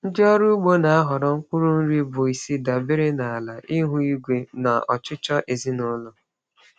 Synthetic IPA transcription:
n̩˦d͡ʒɔ˦ɾu˦ɡ͡bo˦na˨a˦ɦɔ˨ɾɔ˨ŋ̩˦kʷʊ˦ɾʊ˦n̩˦ɾi˦bʊ˨i˨si˦da˨bɪ˦ɾɪ˦na˨a˨la˨ʔi˦ɦu˦i˦ɡʷe˨na˨ɔ˨t͡ʃɪ˦t͡ʃɔ˦ʔe˨zi˦nʊ˦lʊ˨

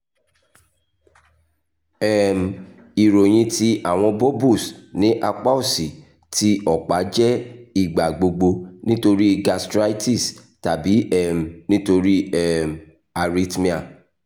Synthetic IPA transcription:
ɛ˨m̩˨ | i˨ɾo˨j̃ĩ˧tʰi˧ʔa˦˨w̃ɔ̃˧bo˦bu˦˨snĩ˨˦ʔa˧k͡pa˦u˦˨si˨ | ti˦ɔ˨k͡pa˨˦d͡ʒɛ˦i˦˨ɡ͡ba˨ɡ͡bo˧ɡ͡bo˧nĩ˦to˧ɾi˦ɡa˧stɾa˦jti˦˨s | ta˨bi˨˦ɛ˦˨m̩˨nĩ˦to˧ɾi˦ɛ˦˨m˨ | a˨ɾi˦tmĩ˦a˦˨

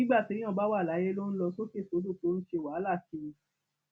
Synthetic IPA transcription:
ĩ˦ɡ͡ba˦˨ti˨˦ĩ˦ɔ̃˧˨ba˦wa˦˨la˨˦je˦lo˦n̩˦lɔ˧so˦ke˦˨so˨˦do˦˨to˨˦ñ̩˦ʃe˧˨wa˨˦la˦˨kĩ˦˧

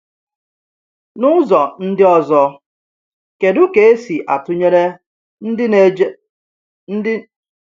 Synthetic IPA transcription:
nʊ˦zɔ˨n̩˦dɪ˦ɔ˦zɔ˦ | ke˨dʊ˦ke˨e˦si˨ʔa̰˨tʊ˦ɲe˦ɾe˦ | n̩˦ɪ˦

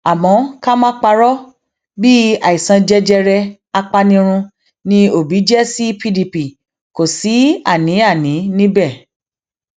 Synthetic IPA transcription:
a˨mɔ̃˨˦ka˦mã˦k͡pa˧ɾɔ˦ | bi˦a̰˨i˨sã˧d͡ʒɛ˦d͡ʒɛ˧ɾɛ˧ | a˧k͡pa˧nĩ˧ɾ̃ũ˧ | nĩ˧o˨bi˨˦d͡ʒɛ˦si˦pi˦di˧pi˨ | ko˨si˨˦a̰˦˨nĩ˨˦a˦˨nĩ˨˦nĩ˦bɛ˦˨

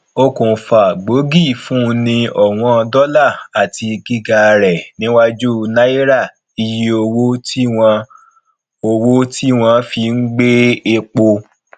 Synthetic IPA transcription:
o˦kũ˨fa˨ɡ͡bo˨˦ɡi˦˨fũ˦˧˦nĩ˧ɔ˨w̃ɔ̃˧ɔ˧dɔ˦la˦˨a˨tʰi˧ɡi˦ɡa˧ɾɛ˨nĩ˨˦wa˦d͡ʒu˦˧na˦i˦ɾa˦˨ | i˧ji˦o˧wo˦ti˦w̃ɔ̃˧ | o˧wo˦ti˦w̃ɔ̃˧fi˧ŋ̩˦ɡ͡be˦e˧k͡po˧

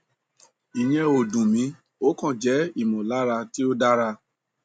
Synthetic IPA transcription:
i˨j̃ɛ̃˧o˨dũ˨mĩ˨˦ | o˦kɔ̃˦˨d͡ʒɛ˨˦i˦˨mɔ̃˨la˨˦ɾa˧ti˦o˦da˦ɾa˧

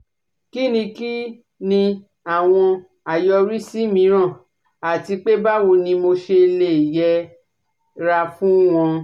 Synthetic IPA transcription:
ki˦nĩ˧ki˦ | nĩ˧ | a˨w̃ɔ̃˧ | a˨jɔ˧ɾi˦si˦mĩ˨˧˦ɾ̃ã˦˨ | a˨ti˧k͡pe˦ba˦wo˧nĩ˧mo˧ʃe˧le˦˨jɛ˧ | ɾa˧fũ˦w̃ɔ̃˧

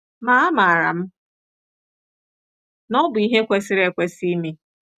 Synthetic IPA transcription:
ma˨˦a˦ma˨a˨ɾa̰˨m̩˦ | nɔ˦bʊ˨i˦ɦe˦kʷe˦sɪ˦ɾe˨kʷe˦si˦mi˦

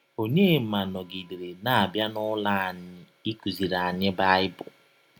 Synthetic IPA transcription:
o˦ɲe˦˨˦ma˨nɔ˨ɡi˨de˨ɾe˨na˨a˨bja˦nʊ˦la˦˨ɲɪ˦ | i˦ku˨zi˨ɾa˨ɲɪ˦ba˦ɪ˦bʊ̰˨

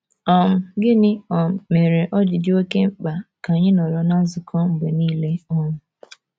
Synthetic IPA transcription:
ɔ˦˨m̩˨ɡɪ˦nɪ˦ɔ˨m̩˨me˨ɾe˨ʔɔ˦d͡ʒɪ˨dɪ˦o˦ke˦m̩˦k͡pa˨ka˨ɲɪ˦nɔ˨ɾɔ˨na˦n̩˦zʊ˨kʰɔ˦m̩˨ɡ͡be˨niː˦le˦ɔ˦ŋʊ˨

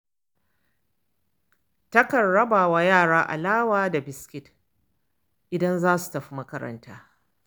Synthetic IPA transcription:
tɐ˦kɐ˨ɽːɐ˦baː˨wa˦jaː˦˨ɽaː˦ʔa̰˨laː˦waː˦da˨bɪ˨skʲɪ˦t | ʔɪ˨dɐ˦nzaː˦su̥˨tɐ˨ɸi˦mɐ˦kɐ˦ɾɐ̰˦ntʰaː˦

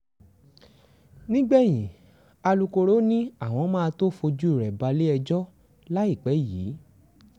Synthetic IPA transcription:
nĩ˦ɡ͡bɛ˦˨j̃ĩ˨ | a˧lu˧ko˧ɾo˦nĩ˦a˦˨w̃ɔ̃˧˦mãː˦a˧to˦fo˧d͡ʒu˦i˦˨ɾɛ˨ba˧le˦ɛ˧d͡ʒɔ˦ | la˦i˦˨k͡pɛ˨˦jiː˨˦

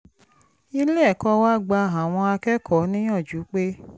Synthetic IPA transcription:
i˧le˦ɛ˦˨kɔ˧wa˦˨ɡ͡ba˧a˨w̃ɔ̃˧a˧kɛ˦kʰɔ˨˦nĩ˦j̃ɔ̃˦˨d͡ʒu˨˦k͡pe˦

